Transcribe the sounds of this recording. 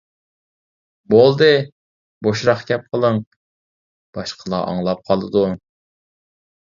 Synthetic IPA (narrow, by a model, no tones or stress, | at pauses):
bolˠd̪ɨ | boʃɾɑχkʲɛp̚qʰəlˠəŋ | b̥ɑʃqʰəlˠɑ̰ʔɑ̰ŋlˠɑp̚qʰɑlˠɨd̪u